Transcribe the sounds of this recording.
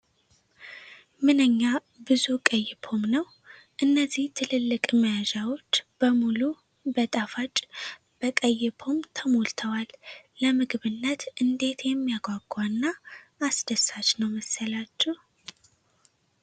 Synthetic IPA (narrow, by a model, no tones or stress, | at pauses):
mɨnəɲːa | bɨzukʼəjːɪpʰo̞mnəw | ʔɨnːəzːiht̪ʰɨlɨlːɨkʼməjaʒawo̞t͡ʃːb̥əmulu | bət̪ʼafat͡ʃʼ | b̥əkʼəjːɪpʰo̞mt̪ʰəmolt̪ʰəwalːəmɨɡɨβɨnːət̪ʔɨnd̪e̞t̪jɛmːijaɡʷaɡanːaːsd̪əsat͡ʃnəwməsːəlat͡ʃːɛh